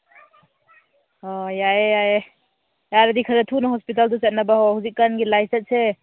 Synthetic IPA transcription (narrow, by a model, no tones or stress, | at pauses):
ɔjajejaje | jaɾɐdikʰɐɾɐtʰunɔɦɔspit̬alduset̚nabahɔhuzikːanɡilajsɐt̚se